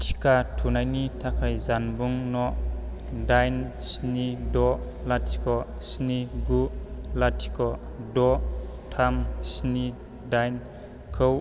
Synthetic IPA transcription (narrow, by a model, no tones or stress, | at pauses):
tʰi̥katʰunajnitʰakʰajzanbuŋnɔʔ | dajn | snidɔʔ | latʰi̥kɔ | sniɡuʔlatʰi̥kɔʔ | dɔʔtʰamsni | dajn | kʰow